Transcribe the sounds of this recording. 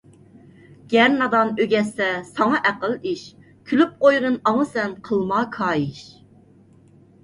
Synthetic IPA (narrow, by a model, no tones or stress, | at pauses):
ɡ̥ʲɛɾnɑd̪ɑnøɡʲɛsɛsɑŋɑʔæqəliʃ | kʲʰylyp̚qojʁənɑŋəsɛnqʰəlˠmɑkʰɑːjiʃ